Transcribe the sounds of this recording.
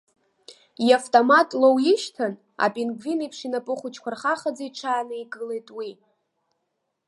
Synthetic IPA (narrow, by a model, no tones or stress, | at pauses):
jaftʼomatʼlowjɪʃtʰan | a̰pʼinɡvinipʰʂinapʼɨχʊt͡ʃʰkʷarχaχad͡zaiʈ͡ʂʰaːnɨiɡʼɨlejtʼwi